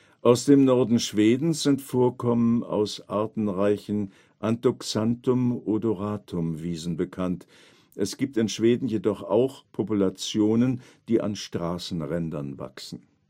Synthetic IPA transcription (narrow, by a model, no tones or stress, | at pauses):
ʔaʊsd̥eːmnɔɐdn̩ʃv̥eːdn̩sz̥ɪntfoːɐkʰɔməna̰ʊsʔaɐtn̩ʁaɪçn̩ | ʔantoksantʊmʔodoʁaːtʰʊmviːzn̩bəkʰant | ʔɛsɡ̥iːp̚tɪnʃv̥eːdn̩jedɔχa̰ʊxpʰɔpulat͡sjoːnən | d̥iːʔa̰nʃtʁ̥aːsn̩ʁɛndɐnva̰ksn̩